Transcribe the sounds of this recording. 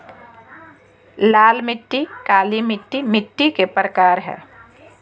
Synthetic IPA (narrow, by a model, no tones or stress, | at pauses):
laːlmɪʈːikaːlimɪʈːimɪʈːikepɾəkaːɾɦɛ̰ː